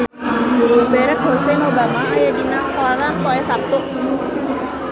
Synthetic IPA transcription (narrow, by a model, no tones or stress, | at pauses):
bɛɾək̚ɦosɛmobamaːjaɡinaŋkɔɾanpɔɛsap̚t̪ʊk̚